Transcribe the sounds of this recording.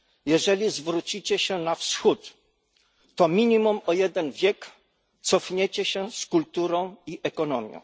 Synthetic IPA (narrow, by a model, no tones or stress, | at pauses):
jɛʐɛlʲizvɾut͡ɕit͡ɕɛɕɛnafsxut̪ː | ɔmʲiɲimumɔjɛd̪ɛnvʲjɛk | t̪sɔfɲɛt͡ɕɛɕɛ̃skult̪uɾɔ̃w̃iʔɛkɔnɔmʲjɔ̰̃w̃